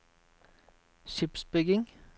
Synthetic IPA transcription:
ʃɪpsbʏɡɪŋ

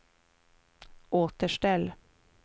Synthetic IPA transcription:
ʔoːt̪əʂʈɛlː

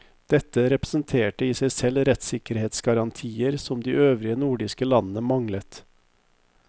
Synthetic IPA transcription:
d̪̥ɛt̪ːəɾɛpɾəsnt̪ʰeːʈəiːsæɪsɛlɾɛt̪sɪkəɾheːt̪sɡɑɾɑnt̪ʰiːəɾsɔmd̪iːʔøːʋɾɪənuːɖɪskəlɑnnəmɑŋlət̪

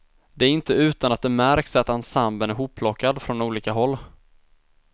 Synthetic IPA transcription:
d̪ɛæɾɪnt̪əʉ̟ːt̪anat̪̚d̪ɛmæɾksat̪ansambənæɾɦupʰːlɔkːad̪fɾɔnuːliːkaɦɔlː

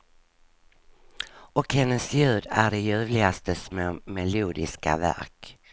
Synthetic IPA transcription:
ɔkhɛnːəsjʉ̟ːd̪æɖɛjʉ̟ːvlɪɡast̪əsmɛmɛluːd̪ɪ̰ska̰væ̰ɾk

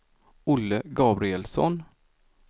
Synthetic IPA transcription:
ʊlːəɡɑːbɾɪɛlsɔ̰n

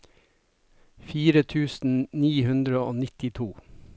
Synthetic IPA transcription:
fiːɾət̪ʰʉːsn̩niːhʉnd̪ɾəoːnɪt̪ɪt̪ʰuː

